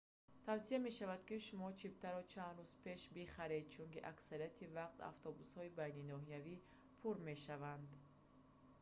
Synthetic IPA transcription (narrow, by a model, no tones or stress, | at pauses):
t̪ʰavsiame̞ʃavad̪kiʃumɔt͡ʃʰibt̪ʰaɾɔt͡ʃʰand̪ɾuz̥pe̞ʃbiχaɾe̞d̪̚t͡ʃʰuŋkiʔaksaɾijat̪ʰivaqt̪a̰ft̪ʰɔbushɔibajninɔɦijavi | pʰuɾme̞ʃavand̪